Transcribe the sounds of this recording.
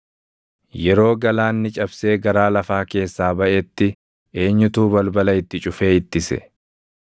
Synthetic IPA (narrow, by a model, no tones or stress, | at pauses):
jɛɾo̞ːɡɐlaːnːɪt͡ʃʼɐbse̞ːɡɐɾaːlɐfaːke̞ːsːaːbɐʔɛt̪ːɪ | e̞ːɲːʊt̪uːbɐlbɐlɐɪt̪ːɪt͡ʃʼʊfe̞ːɪt̪ːɪsɛ̰